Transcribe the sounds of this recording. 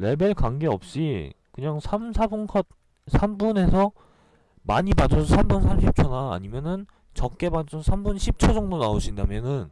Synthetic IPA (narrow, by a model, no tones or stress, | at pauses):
ɾe̞be̞ɭkaŋɡe̞ʌ̰p̚ɕ͈ikɯɲaŋsʰamsʰabunkʰʌt̚ | sʰambune̞sʰʌ | maɲibadʌsʰʌsʰambunsʰamɕʰip̚t͡ɕʰʌna̰ːɲimjʌnɯn | t͡ɕʌk̚k͈e̞badʌsʰʌsʰambunɕʰip̚t͡ɕʰʌd͡ʑʌŋdonaoɕʰindamjʌnɯn